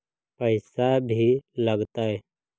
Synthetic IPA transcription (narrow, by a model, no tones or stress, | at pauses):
pəjsabʱiləɡt̪aɛ